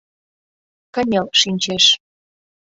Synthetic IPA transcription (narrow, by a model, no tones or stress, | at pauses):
kə̆nʲelʃinʲt͡ɕeʃ